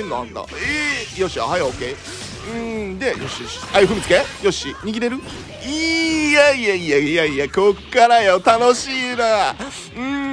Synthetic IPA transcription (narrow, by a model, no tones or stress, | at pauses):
ẽnːoã̰nd̪a̰ejoɕia̰ɦajokei | ɯ̟̃d̪e̞joɕijoɕi̥ajɸɯ̟mʲit͡sɨkejo̞ɕiɲiɡʲiɾe̞ɾɯ̟ | ijaiaijaijaijakokkaɾajot̪ano̞ɕiːna | ɯ̟̃